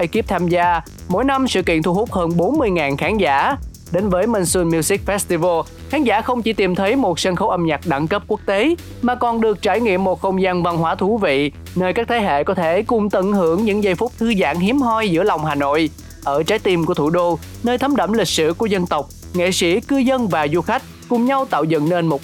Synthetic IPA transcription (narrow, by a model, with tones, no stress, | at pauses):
ʔə˧ki˦˥əp̚t̪ʰaː˧mzaː˧ | mo̰˧˥˦jna˧msɨ̰˧˨kḭ˧˨ənt̪ʰu˧hu˦˥k͡p̚həː˧nɓo˨˦nmɨ˧əjŋaː˨˩nxaː˨˧˦nza̰ː˧˩˥ | ɗe˨˦nvəː˨˦jmə˧nsu˧nmji˧si˦˥k̚fɛ˦˥st̪i˧və˧ | xaː˨˦nzaː˧˩xə˧wŋ͡mt͡ɕi˧˩˦t̪i˨˩mt̪ʰə˨˦jmo˨˩t̚sa˧nxə˨˦wʔə˧mɲa˨˩k̚ɗa̰˧˩ŋkə˦˥p̚ku˦˥ək̚t̪e˨˦ | maː˨˩kɔ˨˩nɗɨ˨˩ək̚t͡ɕaː˧˩jŋḭ˧˨əmːo˨˩t̚xə˧wŋ͡mzaː˧nva˧nɦwaː˧˦t̪ʰu˧˩˦vḭ˧˨ | nəː˧jkaː˦˥k̚t̪ʰe˨˦ɦḛ˧˨kɔ˨˦t̪ʰe˧˩kʊ˨˩ŋ͡mt̪ɨ˧˩nɦɨ˧˩əŋɲɨ̰˧˥ŋzə˧jfʊ˦˥k͡p̚t̪ʰɨ˧za̰ː˧˥ŋɦi˨˦əmɦɔ˧jzɨ̰˧˥əlɔ˨˩wŋ͡mɦaː˨˩no̰˧˨j | ʔəː˧˩t͡ɕaː˨˦jt̪i˧mku˧˩ət̪ʰu˧˩ɗo˧ | nəː˧jt̪ʰə˨˦mɗə̰˧˩mlï˨˩k̟̚sɨ̰˧˨ku˧˩əzə˧nt̪ə˨˩wk͡p̚ | ŋḛ˧˨sḭ˧˩kɨ˧zə˧nvaː˨˩zu˧xa˦˥jk̟̚kʊ˨˩ŋ͡mɲa˧wt̪a̰ː˧˨wzə̰˧˨nne˧nmo˨˩t̚